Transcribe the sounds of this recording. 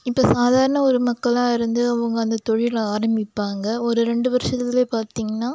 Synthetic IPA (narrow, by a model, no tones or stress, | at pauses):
ɪpːoːsaːðaːɾɐɳɐɔɾɯmɐkːɐlãːɪɾɯnd̪ɯɐʋɐŋɡɐɐnd̪ɐt̪ɔɻɪjlaːɾɐmbɪpːaːŋɡɐɔɾɯɾɛɳɖɯʋɐɾɯʂɐt̪ːɪleːpaːɾt̪iːŋɡɐnːaː